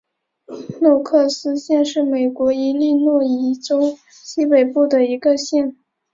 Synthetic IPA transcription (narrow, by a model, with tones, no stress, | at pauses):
nwɔ˥˧kʰɤ˥˩sɹ̩˥ɕjɛ˥˧nʂɻ̩˥˩me˨˩ɪkwɔ˧˥i˧˥li˥˧nwɔ˥˩i˧˥ʈ͡ʂo˥ʊ | ɕi˥pe˨˩ɪpu˥˩d̪ə˩i˧˥ɡə˧ɕjɛ˥˩n